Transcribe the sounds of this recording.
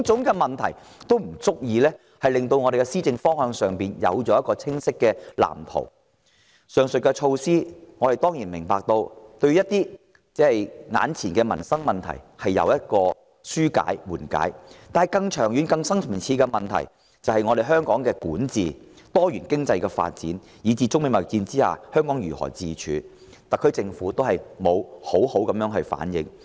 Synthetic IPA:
t͡sʊ˨˥ŋkɛː˧mɐ˨nt̪ʰɐ˨˩j | t̪o˥wm̩˨˩t͡sʊ˥k̚jiː˧lɛː˥ | hɐ˨jlɪ˨ŋt̪o˧wŋɔː˨˧ɾe˨jkɛ˧siː˥t͡sɪ˧ŋfɔː˥ŋhœː˧ŋsœː˨ŋpiː˨njɐ̰˨˧wt͡ʃɔː˨˥jɐ˥t̚kɔː˧t͡sʰɪ˥ŋsɪ˥kːɛː˧la̰ː˨˩mt̪ʰo̰˨˩w | sœː˨˧ŋsɵ˨t̚kɛ˧t͡ʃʰo˧wsiː˥ŋɔː˨˧hɐ˨jt̪ɔː˥ŋjiː˨˩nmɪ̰˨˩ŋpaː˨k̚t̪o˧wt̪ɵ˧ɥjɐ˥t̚t̪iː˥ | t͡sɛː˥hɐ˨jŋa̰ː˨˥nt͡sʰiː˨˩nkɛ˧mɐ̰˨˩nsɐ˥ŋmɐ˨˩nt̪ʰɐ̰˨˩jhɐ˨jːɐ̰˨˧wjɐ˥t̚kɔː˧ | syː˥ka̰ː˨˥jwuː˨˩nka̰ː˨˥jt̪aː˨nɦɐ˨jkɐ˧ŋt͡ʃʰœː˨˩ŋjyː˨˥nkɐ˧ŋsɐ˥ŋst͡sʰiː˧kɛː˧mɐ˨nt̪ʰɐ̰˨˩j | t͡sɐ˨whɐ˨jŋɔ˨˧ɾe˨jɦœː˥ŋkɔː˨˥ŋkɛː˧kuː˨˥nt͡siː˨ | t̪ɔː˥jyː˨˩nkɪ˥ŋt͡sɐ˧jkɛː˧fa̰ː˧t̚t͡sḭː˨˥n | jiː˨˧t͡siː˧t͡sʊ˥k̚me˨˧jmɐ˨˩t͡siː˧nt͡siː˥ha̰ː˨hœː˥ŋkɔː˨˥ŋɥyː˨˩hɔ̰ː˨˩t͡siː˨˧t͡ʃʰy̰ː˨˧ | t̪ɐ˨kʰːɵ˥t͡sɪ˧ŋfuː˨˥t̪o˥whɐ˨jmo˨˧who˨˥who˨˥wkɐ˨˥mjœː˧˥ŋɦɵ˨˧ɥfa̰ː˨˥njɪ̰˨˥ŋ

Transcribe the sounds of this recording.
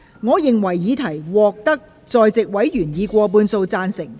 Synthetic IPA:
ŋɔː˨˧jɪ˨ŋwɐ˨˩jːiː˨˧t̪ʰɐ˨˩jwɔː˨k̚t̪ɐ˥k̚ | t͡sɔː˨˧jt͡sɪ˨k̚wɐ˨˥jjyː˨˩njiː˨˧kʷɔː˧p̬uː˧nso˧wt͡saː˧nsɪ˨˩ŋ

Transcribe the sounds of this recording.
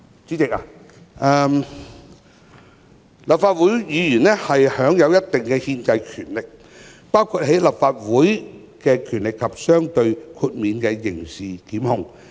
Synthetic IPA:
t͡siː˨˥t͡sɪ˨k̚a̰ː˧ | ʔɛː˨˧m | lɐ˨p̚faː˧t̚wuː˨˥jjiː˨˧jyː˨˩nlɛ˥hɐ˨jhœː˨˥ŋjɐ˨˧wjɐ˥t̚t̪ɪ˨ŋkɛ˧hiː˧nt͡sɐ˧jkʰyː˨˩nlɪ˨k̚ | paː˥wkʰu˧t̚ɦe˨˥jlɐ˨p̚faː˧t̚wuː˨˥j | kɛː˧kʰyː˨˩nlɪ˨kʰːɐ˨p̚sœː˥ŋt̪ɵ˧ɥkʰuː˧t̚miː˨˧nkɛ˧jɪ˨˩ŋsiː˨kiː˨˥mhʊ˧ŋ

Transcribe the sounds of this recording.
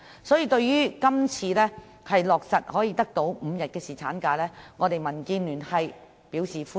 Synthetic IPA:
sɔː˨˥jiː˨˧t̪ɵ˧ɥjyː˥kɐ˥mt͡sʰiː˧lɛː˥ | hɐ˨jlɔː˨k̚sɐ˨t̚hɔː˨˥jiː˧t̪ɐ˥k̚t̪o˨˥wm̩˨˧jɐ˨t̚kɛː˧siː˨t͡sʰaː˨˥nkaː˧lɛː˥ŋɔː˨˧t̪e˨jmɐ˨˩nkiː˧nlyː˨˩nhɐ˨j | piː˨˥wsiː˨˩fuː˥

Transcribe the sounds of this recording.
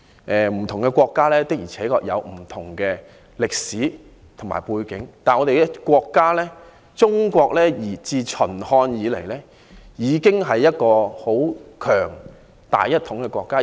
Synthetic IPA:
ʔɛː˨˧m̩˨˩t̪ʰʊ˨˩ŋkɛ˧kʷɔː˧kːaː˥lɛː˥t̪ɪ˥k̚jiː˨˩t͡sʰɛː˨˥kɔː˧k̚jɐ̰˨˧wm̩˨˩t̪ʰʊ˨˩ŋkɛː˧ | lɪ˨k̚siː˨˥ | t̪ʰʊ˨ŋma̰ː˨˩jpuː˧jkɪ˨˥ŋt̪aː˨nɔː˨˧t̪e˨ɛ˧kʷɔː˧kːaː˥lɛː˥ | t͡sʊ˥ŋkʷɔː˧k̚lɛː˥jiː˨˩t͡siː˧t͡ʃʰɵ˨˩nhɔː˧njiː˨˧le˨˩jlɛː˥ | jiː˨˧kɪ˥ŋɦɐ˨jːɐ˥t̚kɔː˧ho˨˥wkʰœː˨˩ŋ | t̪a̰ː˨jɐ˥t̪ʰːʊ˨˥ŋkɛ˧kʷɔː˧kːaː˥

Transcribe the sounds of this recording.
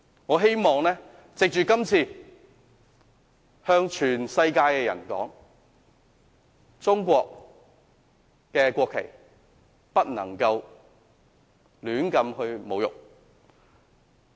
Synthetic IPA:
ŋɔː˨˧ɦe˥jmɔː˨˩ŋlɛː˥ | t͡sɪ˨k̚t͡ʃyː˨kɐ˥mt͡sʰiː˧ | hœː˧ŋt͡ʃʰyː˨˩nsɐ˧jkaː˧jkɛː˧jɐ˨˩nkɔ̰ː˨˥ŋ | t͡sʊ˥ŋkʷɔː˧k̚ | kɛː˧kʷɔː˧kʰːe˨˩j | pɐ˥t̚nɐ̰˨˩ŋkɐ˧w | lyː˨˥nkɐ˧mhɵ˧ɥmo˨˧wjʊ̰˨k̚

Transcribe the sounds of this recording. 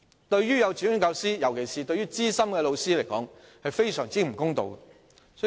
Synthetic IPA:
t̪ɵ˧ɥɥyː˥jɐ˨˧wt͡siː˨˥ɪ˥ŋkɐ˧wsiː˥jɐ˨˩wkʰe˨˩jsiː˨t̪ɵ˧ɥyː˥t͡siː˥sɐ˥mkɛː˧lo˧wsiː˥le˨˩jkɔ̰ː˨˥ŋhɐ˨jfe˥jsœː˨˩ŋt͡siː˥m̩˨˩kʊ˥ŋt̪o̰˨˧wk | sɔ˨˥

